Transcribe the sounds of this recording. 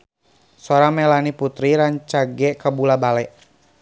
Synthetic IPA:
sɔɾamɛlaniput̪ɾiɾaɲt͡ʃaɡɛkabulabalɛʔ

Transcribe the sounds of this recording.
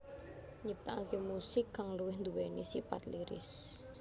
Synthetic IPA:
ɲip̚t̪aakemusɪkːaŋluwɪhnd̪uwɛnisipa̰t̪liɾɪ̰s

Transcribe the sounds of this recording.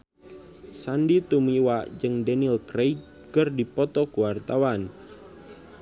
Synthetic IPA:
sandit̪umiwad͡ʒɨŋdɛnilkɾej̚ | kərdipɔt̪ɔkuwart̪awan

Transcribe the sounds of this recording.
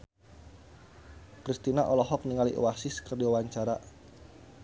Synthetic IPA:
kɾist̪inaʔɔlɔɦɔk̚niŋalḭʔuwasɪskərdiwawaɲt͡ʃaɾa

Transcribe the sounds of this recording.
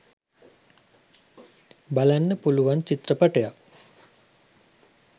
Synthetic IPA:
balanːəpuluʋant͡ʃit̪rəpaʈəjak

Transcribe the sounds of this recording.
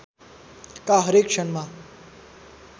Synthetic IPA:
kaɦəɾekʂənmã

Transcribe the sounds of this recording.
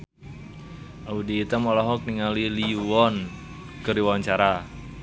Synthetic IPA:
ʔaudiːt̪amɔlɔɦɔk̚niŋaliliwɔn | kəɾiwaɲt͡ʃaɾa

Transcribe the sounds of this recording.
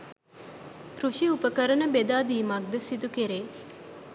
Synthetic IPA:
kɾuʃiupəkəɾənəbed̪aːd̪iːmɐk̚d̪əsit̪ukeɾeː

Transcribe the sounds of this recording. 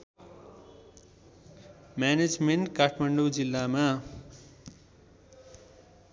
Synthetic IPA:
mjaned͡zmeɳʈkaʈʰmaɳɖud͡zilːama

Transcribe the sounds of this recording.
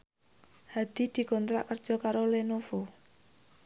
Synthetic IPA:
had̪̥i̤d̪̥i̤kɔnt̪ɾa̰ʔkər̥ʒ̥ɔ̤kaɾolenofo

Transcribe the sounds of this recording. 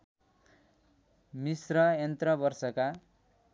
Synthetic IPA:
misrʌent̪rʌbʌrsʌka

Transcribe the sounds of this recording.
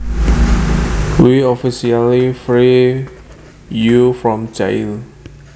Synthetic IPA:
wiɔfisialifɹi | jufɹɔ̃md͡ʒaḭl

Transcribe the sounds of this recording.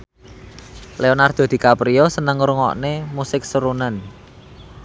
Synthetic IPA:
leonard̪̥a̤d̪̥i̤kapɾijɔsənəŋɾuŋɔ̰ʔnemusɪk̚səɾunən

